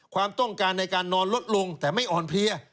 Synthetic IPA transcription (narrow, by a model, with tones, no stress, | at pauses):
kʰwaː˧mt̪ɔ˥˩ŋkaː˧nːa˧jkaː˧nːɔː˦˥nlo˦˥t̪̚lo˧ŋt̪ɛː˨˩ma˥˩jʔɔː˨˩npʰli˧ɐ